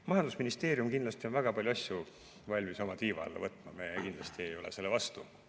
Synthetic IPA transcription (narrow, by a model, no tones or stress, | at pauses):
mɑjɑnd̪usminist̪e̞ːɾjumkind̪lɑst̪io̞nvæɡ̥ɑpɑlʲjuɑsju | vɑlʲmiso̞mɑt̪iːvɑ̰lːḛvɤt̪ːˑmɑmekind̪lɑst̪iejo̞lḛse̞lːevɑst̪u